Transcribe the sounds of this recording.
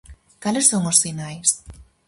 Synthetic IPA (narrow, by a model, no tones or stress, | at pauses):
kalesːoŋosfinajs